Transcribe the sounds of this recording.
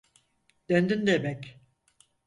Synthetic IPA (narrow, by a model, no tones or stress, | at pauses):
d̪̥œnd̪ind̪emɛc